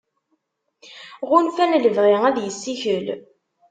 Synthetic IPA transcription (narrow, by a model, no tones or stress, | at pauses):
ʁʊnfænləvʁiæðjəsːiçəl